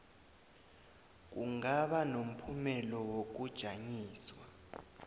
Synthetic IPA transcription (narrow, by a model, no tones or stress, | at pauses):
k̬uŋaɓanom̩pʰumɛlɔwok̬ud̥ʒ̥ʱaɲiːswa